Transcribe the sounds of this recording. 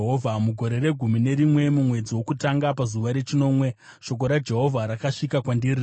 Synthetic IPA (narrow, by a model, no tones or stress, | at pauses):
ɦovʱamuɡʱo̞ɾe̞re̞ɡʱumine̞ɾimwe̞mumwe̞d͡ziwo̞kutaŋɡapazuʋaɾe̞t͡ʃino̞ːmwe̞ | ʃo̞k̬o̞ɾad͡ʒe̞ɦo̞vʱaɾakaʂikakwandiriː